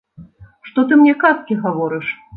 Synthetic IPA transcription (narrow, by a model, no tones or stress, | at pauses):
ʂt̪ɔt̪ɨmnʲɛkaskʲiɣavɔɾɨʂ